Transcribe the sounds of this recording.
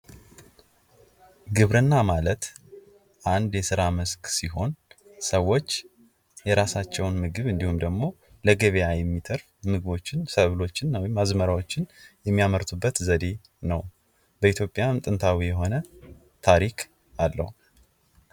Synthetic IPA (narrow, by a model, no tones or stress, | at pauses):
ɡɨβɾɨnːamalət̪ | ʔand̪jɛsɨɾaməsksiɦo̞n | səwːo̞t͡ʃː | jɛɾasat͡ʃːɛwnmɨɡɨβɨnd̪ihumd̪əɡmo̞ | ləɡəβejajɛmːit̪ʰəɾfmɨɡɨβo̞t͡ʃːɪnsəβlo̞t͡ʃːɪnːwjɪmːazməɾawo̞t͡ʃːɪnjɛmːijaməɾt̪ʰubːət̪zəd̪e̞ | nəw | bəit̪ʰjo̞pʼːjamt̪ʼɨnt̪ʰawijɛɦo̞nə | t̪ʰaɾikʰ | alːə̰hu